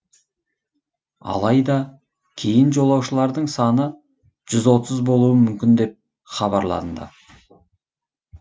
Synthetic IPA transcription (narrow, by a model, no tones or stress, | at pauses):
ɑ̰lˠɑjd̪ɑ | kʲʰe̞jɪnʒo̞lˠɑwʃəlˠɑɾd̪əɴsɑnə | ʒ̥ʏzwo̞t̪əzbo̞lˠuəmʏmkʲɪnd̪e̞p̚ | χɑβɑɾlˠɑ̰d̪əd̪ə̰